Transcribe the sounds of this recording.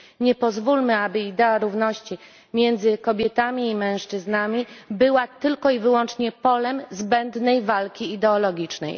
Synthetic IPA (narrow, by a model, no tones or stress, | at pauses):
ɲɛpɔzvulmɘabɘid̪ɛaɾuvnɔɕt͡ɕi | mʲjɛnd̪zɘkɔbʲjɛt̪amʲiːmɛ̃w̃ʂt͡ʂɘznamʲibɘwat̪ɘlkɔivɘwɔnt͡ʂɲɛpɔlɛmzbɛnd̪nɛjvalkʲiːd̪ɛɔlɔɡʲit͡ʂnɛ̰j